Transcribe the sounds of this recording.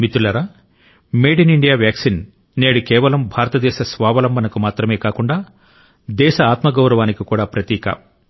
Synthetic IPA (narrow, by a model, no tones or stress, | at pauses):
mit̪ulɐɾaː | meːɽiniɳɖijaːʋjaːksin | neːɽukɛːʋɐlɐmbʱaːɾɐt̪ɐd̪ɛːʃɐsʋaːʋɐlɐmbʱɐnɐkumaːt̪ɾɐme̞ːkaːkuɳɖaː | d̪ɛːʃɐaːt̪mɐɡɐwɾɐʋaːnikikuːɽaːpɾɐt̪iːkɐ̰